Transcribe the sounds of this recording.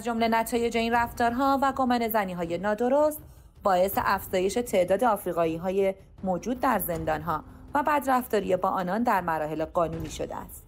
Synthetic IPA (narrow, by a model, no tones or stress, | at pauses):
æzd͡ʒo̞mle̞næt̪ʰɒːje̞d͡ʒe̞inræft̪ɒːɾɦɒːvæɡomene̞zæniːɦɒːjenɒːd̪o̞ɾost̪ | bɒːe̞sḛʔæfz̥ɒːje̞ʃe̞t̪ʰe̞ʔd̪ɒːd̪e̞ɒːfɾiːɣɒːiːɦɒːje | moːd͡ʒuːd̪̚ːæɾze̞nd̪ɒːnɦɒː | væbæd̪ræft̪ɒːɾijebɒːʔɒːnɒnd̪æɾmæɾɒːhe̞leɡɒːnuːniːʃo̞̰d̪ḛæ̰st̪